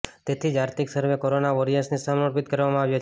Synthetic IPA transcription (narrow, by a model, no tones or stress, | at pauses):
t̪et̪ʰid͡ʒaɾt̪iksəɾʋekoɾonaʋoɾijəsnisəmɾopit̪kəɾʋamãaʋjo